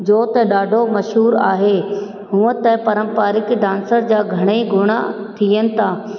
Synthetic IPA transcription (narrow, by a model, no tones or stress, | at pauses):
d͡ʑoːt̪ɐɗaːɖʱomɐʃɦuːɾa̰ːɦe | ɦũːət̪ɐpɐɾə̃mpaːɾɪkɖãːnsəɾd͡ʑaːɡʱɐɽ̃eɡʱʊɽ̃a̰ | t̪ʰijənɪ̆t̪ʰaː